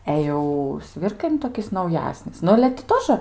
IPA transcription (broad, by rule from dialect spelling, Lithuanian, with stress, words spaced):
ˈɛ jɛʊ ˈsʲʋʲɪrkɐɪ nʊ toːˈkʲɪs nɐʊˈjæːsʲnʲɪs ˈnʊ ɐlʲɛ tʲɪ ˈtoːʒə